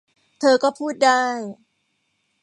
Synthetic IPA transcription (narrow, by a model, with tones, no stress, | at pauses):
t̪ʰɤː˧kɔː˥˩pʰuː˥˩t̪̚daː˥˩j